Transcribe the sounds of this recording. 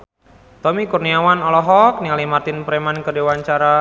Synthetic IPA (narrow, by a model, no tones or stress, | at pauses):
t̪ɔmikurniawanɔlɔɦɔk̚nialimart̪ɪnpəɾɛmankədewaɲt͡ʃaɾa